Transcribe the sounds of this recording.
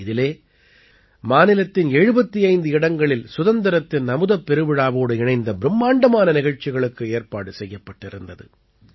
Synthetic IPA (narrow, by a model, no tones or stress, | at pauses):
ɪðɪleː | maːnɪlɐt̪ːɪnɛɻɯbɐt̪ːiɐɪnd̪ɯɪɽɐŋɡɐɭɪlsʊðɐnd̪ɐɾɐt̪ːɪnnɐmɯðɐpːɛɾɯʋɪɻaːʋoːɽɯɪɳɐɪnd̪ɐbɪɾɯmːaːɳɖɐmaːnɐnɪɣɐɻt͡ʃːɪɣɐɭɯkːɯeːɾpa̰ːɽɯsɛjːɐpːɐʈːɪɾɯnd̪ɐðɯ̰